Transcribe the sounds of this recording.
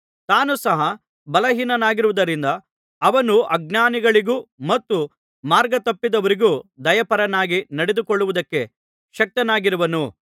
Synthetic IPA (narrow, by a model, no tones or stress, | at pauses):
t̪aːnusɐɦɐ | bɐlɐɦiːnɐnaːɡiɾuʋud̪ɐɾind̪ɐː | ʋɐnuʔɐɡ̚naːniɡɐɭiɡuːmɐt̪ːu | maːɾɡɐt̪ɐpːid̪ɐʋɐɾiɡuːd̪ɐjɐpɐɾɐnaːɡinɐɽed̪ukoɭːuʋud̪ɐkːe̞ | ʃɐk̚t̪ɐnaːɡiɾuʋɐnu